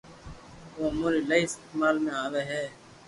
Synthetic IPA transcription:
ʋoːmoːɾiːləiɪsmaːlmẽːaːʋeːɦɛː

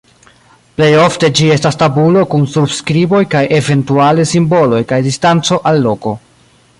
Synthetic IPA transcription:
ple̞jo̞fte̞d͡ʒie̞stastabulo̞kunsubskɾibo̞jkajʔe̞ve̞ntualesimbo̞lo̞jkajdistant͡so̞ʔalːo̞ko̞

